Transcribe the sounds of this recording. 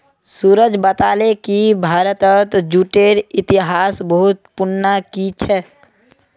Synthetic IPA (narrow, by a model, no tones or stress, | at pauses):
suːɾəd͡ʒbət̪aːlekibʱaːɾət̪ət̪d͡ʒuʈeːɾɪt̪ɪɦaːsbəɦʊt̪̚pʊnːakit͡ʃʰɛ